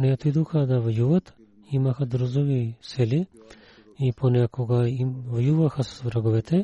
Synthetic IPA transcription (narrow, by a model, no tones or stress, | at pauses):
nɛot̪id̪ɔxad̪avajuvat̪ | iimaxad̪ɾuzɔvisɛli | ipʰɔnɛakʰɔɡaivajuvaxasvɾaɡɔvɛt̪ʰɛ